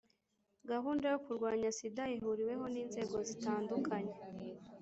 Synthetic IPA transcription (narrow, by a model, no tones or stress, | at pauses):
ɡaɦuːndajokuɾɡwaːɲasidajiɦuɾiwe̞ɦo̞niːnze̞ːɡo̞zitaːndukʰaɲe̞